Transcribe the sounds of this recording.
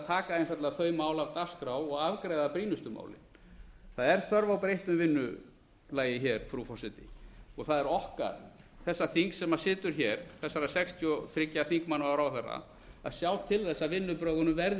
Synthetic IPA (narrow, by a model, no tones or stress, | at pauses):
t̪ʰaːkaðejnfɛɾt̪laθœːɥmaːwlavt̪askɾawɔɣavkɾejðapɾiːnʏst̪ʏma̰ːwlɪ̰n | θaðɛɾ̥θœɾvawpɾejht̪ʏmvɪnːʏ | laːjɪçɛɾ̥fɾufɔrsɪt̪ɪɔɣθaðɛɾɔhka̰ɾ̥θɛsːaθiŋksɛmasɪːt̪ʏɾ̥çɛɾ̥θɛsːaɾasɛkst̪ʰjɔθɾɪcːaθiŋkmanawɾawθɛrːa̰ | a̰ðsjaːwt̪ʰɪlθɛsːavɪnːʏpɾœːɣʏnʏmvɛɾð